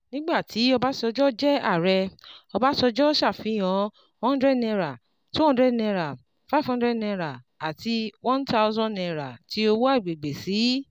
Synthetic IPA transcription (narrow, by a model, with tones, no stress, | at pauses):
nĩ˦ɡ͡ba˦˨tʰi˨˦ɔ˧ba˦sɔ˧d͡ʒɔ˦d͡ʒɛ˦a̰˦˨ɾɛ˧ɔ˧ba˦sɔ˧d͡ʒɔ˦ʃa˦˨fĩ˨˦jɔ̃˨˧˦ | hɔ̃˦n˦dɾɛ˦dnɛ̃˧ɾa˨ | tũ˦ɔ̃˧˦dɾɛ˦dnɛ̃˧ɾa˨ | fa˦˨fhɔ̃˧n˦dɾɛ˦˨dnɛ̃˧ɾa˨ | a˨ti˧wɔ̃˦n˦ta˧u˦zɔ̃˦˨ɛ̃˧ɾa˨ti˨˦o˧wo˦a˦i˨ɡ͡be˨ɡ͡be˨si˨˦